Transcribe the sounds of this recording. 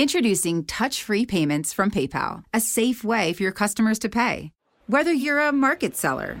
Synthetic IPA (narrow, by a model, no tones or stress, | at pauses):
ɪ̃ntɹ̥ɨdʉsɪ̃ŋtʰʌt͡ʃfɹipʰẽɪ̃mɨ̃ntsfɹʌ̃mpʰeɪpʰa̰lˠɨseɪfweɪfə˞jə˞kʰʌstəmə˞z̥tʰɨpʰeɪ | wɛðə˞jə˞əmɑɹkɨtsɛ̰lˠə̰˞